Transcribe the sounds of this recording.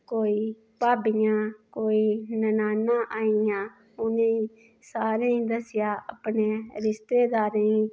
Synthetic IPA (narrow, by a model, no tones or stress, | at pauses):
koːiː | paːbɪjãːkoːiːnənaːnːãːʔaːijãː | ʊnẽː | saːɾẽːĩːd̪əsɪjaːʔa̰pneːɾɪst̪eːd̪aːɾeːĩː